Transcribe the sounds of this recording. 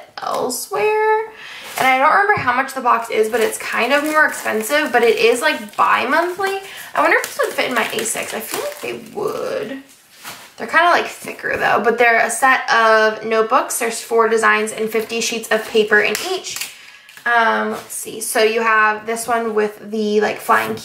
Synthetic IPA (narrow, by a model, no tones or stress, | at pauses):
ʔɛ̰lˠswɛɹ | ʔɨ̰̃ñaɪdõʊ̃ʔəmɛ̃mbə˞ɦaʊ̃mʌt͡ʃðəbɑksɪzbʌɾɨtskʰãɪ̃ndʌvmɔɹɨkspɛ̃nsɪvbʌɾɨɾʔɪzlaɪk̚b̥a̰ɪmʌ̃nθliaɪwʌ̃ndə˞ɨfd͡ʒʌ̥sɪd̥fɪɾ̃n̩maɪʔḛɪsɪ̰ksaɪfilaɪk̚ðeɪwʊ̰d̥ | ðə˞kʰãɪ̃ndəlaɪkθɪ̰kʰə̰˞ðo̰ʊbʌt̪̚ðə˞ɨsɛɾʌvnoʊt̚b̥ʊksðə˞z̥fɔɹdɨzãɪ̃nzɨ̰̃nfɪftiʃitsʌv̥pʰeɪpə˞ʔɨ̰̃nit͡ʃ | ʌ̃mlɛ̰tsḭsoʊjɨəvðɪswʌ̃nwɪðɨlaɪkflaɪɪ̃ŋkʰ